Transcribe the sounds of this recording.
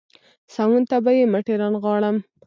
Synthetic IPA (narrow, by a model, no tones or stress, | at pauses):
sawunt̪abajeməʈeɾɑnɣwɑɽəm